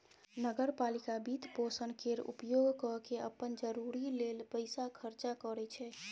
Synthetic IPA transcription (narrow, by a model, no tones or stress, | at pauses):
nəɡəɾpalikabit̪posənkeɾṵpjoɡkɔkeə̰pːənd͡ʒəɾuɾilelpəɪsakʰəɾt͡ʃakɔɾɛt͡ʃʰɛ